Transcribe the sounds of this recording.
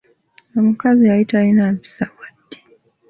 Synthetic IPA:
amukaziaitainaɱfi̥sawadːi̥

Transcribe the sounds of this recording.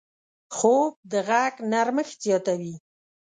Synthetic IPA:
xob̚d̪əɣaɡnaɾməxzjɑt̪awi

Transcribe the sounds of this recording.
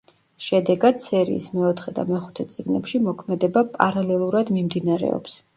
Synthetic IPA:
ʃɛd̪ɛɡad̪̥sɛɾḭːsmɛɔt̪ʰχɛd̪a̰mɛχu̥t̪ʰɛt̪sʼiɡnɛpʃimɔkʰmɛd̪ɛbapʼaɾalɛlˠuɾad̪mimd̪inaɾɛ̰ɔ̰ps

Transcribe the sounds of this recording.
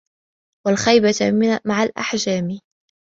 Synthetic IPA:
walxajbamaʕalʔa̰ħd͡ʒaːmɪ

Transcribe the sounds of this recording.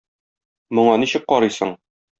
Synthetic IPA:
mŏɴɑniɕɘk̚qɒɾɤjsɤ̰ɴ

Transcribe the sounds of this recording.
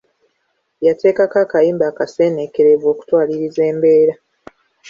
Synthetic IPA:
jate̞ːkakakajiːmbaːkase̞ːnekeɾeβwo̞ːku̥twaːliɾize̞ːmbe̞ːɾa

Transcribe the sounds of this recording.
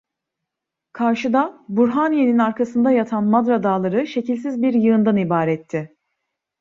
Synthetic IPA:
kʰaɾʃɯd̪abuɾɦanije̞ninaɾkʰasɯnd̪ajat̪ʰanmad̪ɾad̪aːlˠaɾɯʃe̞cilʲsizbiɾjɯːnd̪anibaːɾɛt̪ʰːɪ

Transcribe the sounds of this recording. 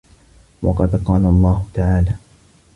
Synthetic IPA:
wʔɑ̰qɑd̪qɑːlalˤːɑːhʊt̪aʕaːlaː

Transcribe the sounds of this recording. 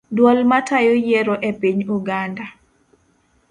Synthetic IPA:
dwɔlmatajojeɾoʔepiɲuɡanda

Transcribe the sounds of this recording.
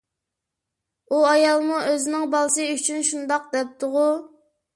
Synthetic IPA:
uɑjɑlˠmuʔøzɪnɪŋbɑlˠɨsɨyt͡ʃʰynʃund̪ɑq̚d̪ɛp̚t̪ʰʊʁʊ

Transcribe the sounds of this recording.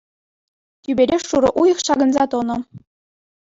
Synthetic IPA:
t̪ʲybʲeɾʲeuɾɤ̆ʔujɤ̆χʃɑɡɤ̆nzɑt̪onɤ̆

